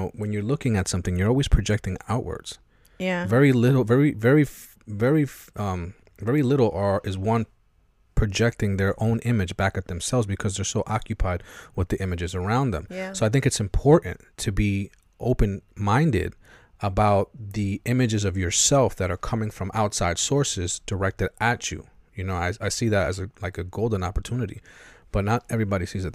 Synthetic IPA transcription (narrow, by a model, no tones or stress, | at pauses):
ʊwɨ̃njə˞lʊkɪ̃ŋɨtsʌ̃mθɪ̃ŋjə˞ɔlˠwiz̥pʰɹ̥ɨd͡ʒɛk̚tɪ̃ŋa̰ʊʔwə̰˞d̥z̥ | vɛɹilɪɾl̩ˠvɛɹivɛɹi | vɛɹi | ʔʌ̃m | vɛɹilɪɾl̩ˠə˞ʔɨzwʌ̃n | pʰɹ̥ɨd͡ʒɛk̚tɪ̃ŋðə˞ʔõʊ̃nʔɪ̃mɨd͡ʒbækɨt̪̚ðɨ̃msɛlˠvzbɨkʰʌzðə˞soʊʔɑkjɨpʰaɪd̚wəðiʔɪ̃mɨd͡ʒɨzə˞ãʊ̃nðə̰̃msoʊaɪθɪ̃ŋkɨtsɨ̃mpʰɔɹʔn̩tʰɨbi | ʔoʊpɨ̃nmãɪ̃ndɪ̰ɾ | əbaʊt̪̚ðiʔɪ̃mɨd͡ʒɨzʌvjə˞sɛlˠfðɨɾə˞kʰʌmɪ̃ŋfɹʌ̃mʔa̰ʊtsaɪd̥sɔɹsɪzd̥ə˞ɛk̚tɨɾʔɨt͡ʃʉ̰jɨnoʊaɪaɪsiðɨɾɨ̰zɨlaɪkɨɡoʊlˠd̃n̩ɑ̰pə˞tʰʉnɨɾḭb̥ʌtⁿnəɾɛvɹibɑɾisizɨt̪